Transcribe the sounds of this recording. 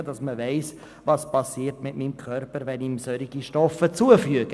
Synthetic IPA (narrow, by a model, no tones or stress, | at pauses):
ədɑsməvɛɪs | ʋɑspɑsiːəɾtmɪtmiːmkʰœɾpəɾʋɛniːmsœɾiɡiʃtɔfət͡suəfyəɡə